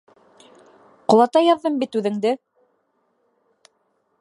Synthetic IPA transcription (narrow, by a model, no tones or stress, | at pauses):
qŏlˠɑt̪ɑjɑðːɤmbit̪ʉðɘ̆ŋd̪ɘ